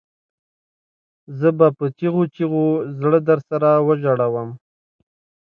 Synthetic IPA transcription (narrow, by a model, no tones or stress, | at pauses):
zəbapət͡ʃiɣot͡ʃiɣozɽəd̪əɾsaɾawəʒaɽawəm